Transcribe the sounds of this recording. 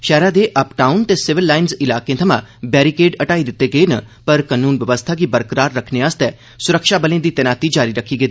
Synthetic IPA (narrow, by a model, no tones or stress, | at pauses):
ʃɛːɾad̪eʔɐpʈaːʊnt̪esɪʋɪlːaːɪnzɪlaːkẽt̪ʰɐmã̰bɛːɾikeːɖɐʈaːid̪ɪt̪ːeɡəenɐpɐɾkənuːnʋjɐʋəst̪ʰakibɐɾkɾaːɾːɐkʰneaːst̪ɛː | sʊɾəkʃabɐlẽd̪it̪ɛnaːt̪id͡ʒaːɾiɾɐkʰːiɡəeː